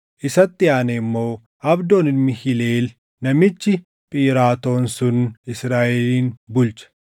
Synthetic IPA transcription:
ʔɪsɐt̪ːɪaːnɛmːo̞ː | ʔɐbd̪oːnɪnmɪhɪleːl | nɐmɪt͡ʃːɪ | pʼiːɾaːt̪o̞ːnsʊnɪsɾaːʔɛliːnbʊlt͡ʃɐ̥

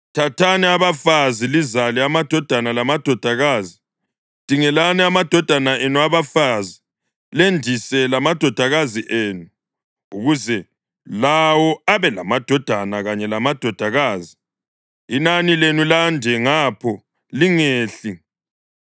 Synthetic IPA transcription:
tʰatʰanɛaβafazilizalɛamad̥ʱɔd̥ʱanalamad̥ʱɔd̥ʱaɣaːzi | d̥ʱiŋɛlanɛamad̥ʱɔd̥ʱanaʔenuaβafazi | lendʱisɛlamad̥ʱɔd̥ʱaɣaziʔeːnu | uɣuzɛ | lawɔaβɛlamad̥ʱɔd̥ʱanaɣaɲɛlamad̥ʱɔd̥ʱaɣaːzi | inanilenulandʱɛŋaːpʰɔ | liŋeːɬi

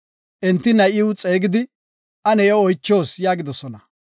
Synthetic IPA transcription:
ʔɛnt̪ːɪnɐjɪwt͡sʼe̞ːɡɪd̪ɪ | ʔɐnɛjɛɔjt͡ʃːo̞ːsjaːɡɪd̪ɔsɔnɐ

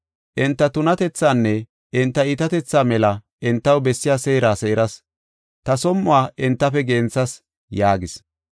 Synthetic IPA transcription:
ʔɪnt̪ːɐt̪ʊnɐt̪ɛt͡sːaːnːɛ | ɪnt̪ːɐɪt̪ɐt̪ɛt͡sːaːmɛlɐ | ʔɪnt̪ːɐwbɛsːɪjaːseːɾaːse̞ːɾɐs | t̪ɐsɔmːʊwaːʔɪnt̪ːɐfɛɡeːnt͡sːɐs | jaːɡɪs

